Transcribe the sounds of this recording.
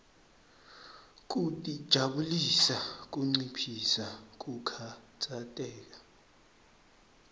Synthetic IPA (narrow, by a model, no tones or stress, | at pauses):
k̬ʼutʼid̥ʒ̥ʱaɓulisak̬ʼuŋ͡ǀipʰisak̬ʼukʰat͡sʰʼatʼɛːk̬a